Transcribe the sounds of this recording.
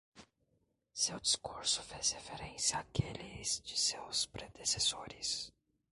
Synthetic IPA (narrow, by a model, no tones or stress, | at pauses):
sewd͡ʒiskuɾsʊ̥fezhefeɾẽsjɐaːkelizd͡ʒɪsewspɾed̪esesoɾɪs